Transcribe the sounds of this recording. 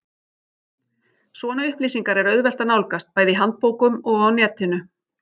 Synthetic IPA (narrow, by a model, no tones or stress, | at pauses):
svɔːnaʏhpliːsiŋkaɾɛɾœɥðvɛl̥t̪anawlkast̪̚paːjðɪɦant̪̚poːwkʏmɔɣawnɛːt̪ɪnʏ